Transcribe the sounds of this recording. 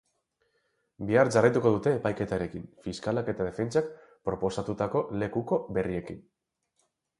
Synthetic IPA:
biaɾd͡ʒarajt̪uko̞ðut̪e̞ːpajke̞t̪aeɾe̞kinfiskalake̞t̪að̞e̞fe̞nt͡sak | pɾo̞po̞sat̪ut̪ako̞le̞kuko̞βe̞rie̞kin

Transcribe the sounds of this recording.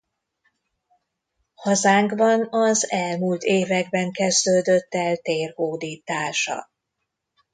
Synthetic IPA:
hɒzaːŋkbɒnɒzɛlmult̪eːvɛɡbɛŋkɛzd̪øːd̪øt̪ːɛlt̪eːrhoːd̪iːt̪aːʃɒ̰

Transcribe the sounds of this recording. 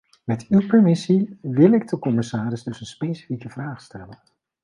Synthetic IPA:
mɛtywpɛɹmɪsiʋɪlˠɪɡ̚dəkɔmɪsaːɾɪzdɵsənspejsi̥fikəvraːχstɛlən

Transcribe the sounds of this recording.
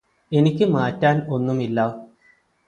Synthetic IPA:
e̞nikʲːɨmaːtːaːno̞nːumilːɐ

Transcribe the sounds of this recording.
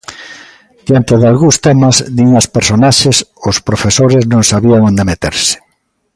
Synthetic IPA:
d̪̥jant̪eðalɣust̪ɛmɐzd̪iŋaspeɾsonaʃesospɾofesoɾɪznõŋsaβiaŋond̪emet̪ḛɾsɪ̥

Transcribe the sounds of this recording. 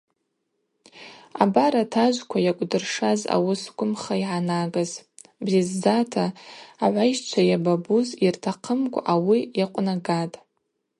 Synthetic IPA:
a̰baɾatʰaʒʷkʷʰajakʷʼdɨrʂaza̰wʊsɡʷʊmχaiʕanaɡaz | brizːatʰaːʕʷajʃt͡ʃʷʰajababuzirtʰaqʰəmkʷʼawiaqʷʼnaɡatʼ

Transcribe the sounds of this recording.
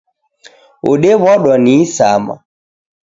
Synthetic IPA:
o̰ɗeβɔɗwɔnisa̰ma̰

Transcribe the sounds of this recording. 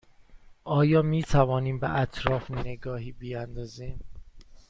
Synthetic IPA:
ʔɒːjɒːmiːt̪ʰævɒːniːmbḛʔæt̪ʰɾɒːfneɡɒːɦiːbijænd̪ɒːziːm

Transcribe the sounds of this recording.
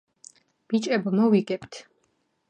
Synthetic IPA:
b̥it͡ʃʼɛbmɔviɡɛpt̪ʰ

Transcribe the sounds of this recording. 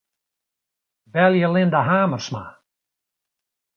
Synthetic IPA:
vɛlˠjəlˠɪndaɦaːmərsma̰

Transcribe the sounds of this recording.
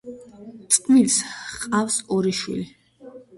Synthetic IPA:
t̪sʼt̪ʼmilsqʼafsɔɾiʃwḭli

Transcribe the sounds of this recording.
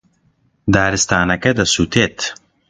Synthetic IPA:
d̪aːɾɨst̪aːnɐkɐd̪ɐsuːt̪ʰeːt̪

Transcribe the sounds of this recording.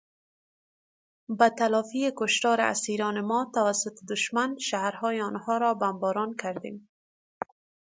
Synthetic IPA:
bat̪alɔfiekʊʃt̪ɒɾɪa̰siɾɔnɪmɔt̪awasʊt̪ɪd̪ʊʃmanʃahɾhɔjɪɔnhɔɾɔbambɔɾɔnkaɾd̪ḛm

